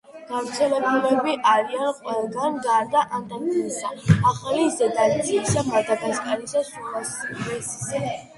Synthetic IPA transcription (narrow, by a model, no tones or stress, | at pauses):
ɡ̥avɾt̪sʰɛlɛbulɛbiʔaɾianqʼwɛlˠɡanɡaɾd̪aʔant̪ʼaniisaaχalizɛd̪ast̪ʼisamad̪aɡaskʼalisasuasɛsi̥sɛ